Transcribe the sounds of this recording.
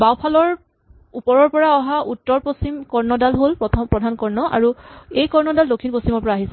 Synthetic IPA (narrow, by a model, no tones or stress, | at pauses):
bawpʰalɔɹ | upɔɹɔɹpɔɹaɔɦaʔutːɔɹposimkɔɹnɔdalɦolpɹɔtʰɔmpɹɔdʱankɔɹnɔʔa̰ɹuejkɔɹnɔdaldokʰinpostimɔɹpɔɹaːɦisɛ